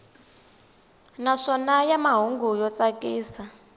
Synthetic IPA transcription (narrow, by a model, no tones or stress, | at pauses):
naʂɔnajamaɦuŋɡujɔt͡sakʼiːsa